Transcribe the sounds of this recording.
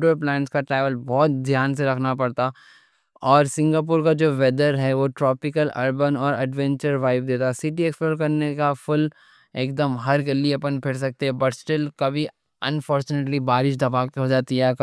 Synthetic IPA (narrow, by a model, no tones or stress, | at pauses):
ɖoɾplɛ̃ːɳʈskaʈɾɛːʋəlbɔːt̪̚d̪jaːns̬eɾɐkʰnapɐɽt̪a | ɔːɾsɪ̃ŋɡaːp̬ʊːɾkad͡ʒoːʋɛd̪əɾɦɛʋoʈɾɔːpɪkəlɐɾbənɔːɾɐɖʋɛ̃ɲt͡ʃəɾʋaːɪb̚d̪eːt̪asiʈieːksploːɾkɐɾnekafʊl | eːk̚d̪əmɦɐɾɡɐlːiɐpənpʰɪɽs̬ɐk̚t̪eɦɛ̃bɐʈsʈɪlkɐbʱi | ɐ̃nfɔːɾt͡ʃʊneːʈlibaːɾɪʃ̬d̪ɐbaːkt̪ɦod͡ʒaːt̪iɛk